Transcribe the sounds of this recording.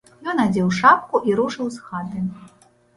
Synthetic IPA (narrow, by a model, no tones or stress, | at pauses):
jɔnad͡zʲɛwʂap̚kuʔiɾuʂɨwsxat̪ɨ